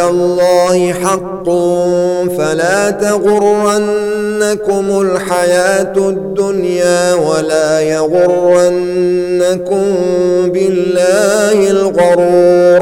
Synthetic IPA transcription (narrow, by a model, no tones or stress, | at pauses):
alˤːɑːhɪħɑqːʊfalaːt̪aɣʊrːanː | akʊmʊlħajaːt̪d̪ːʊnjaːwalaːjaɣʊrːanːakʊmbɪlːaːhɪlɣɑɾuːɾ